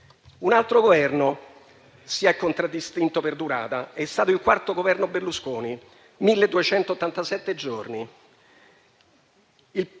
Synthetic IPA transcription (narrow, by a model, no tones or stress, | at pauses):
unalt̪ɾoɡovɛrno | siaɛkːont̪ɾad̪ːist̪int̪operd̪uɾa̰ːt̪aɛst̪aːt̪oilkwart̪oɡovɛrnoberluskoːni | milːed̪ːuet͡ʃɛnt̪oːt̪ːant̪asɛt̪ːed͡ʒorni | il